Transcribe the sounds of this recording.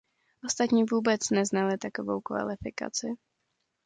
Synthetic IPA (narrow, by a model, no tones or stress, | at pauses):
ʔo̞st̪at̪ɲiːvuːbɛt͡snɛznalɪt̪akovo̰wkva̰lɪfɪka̰t͡sɪ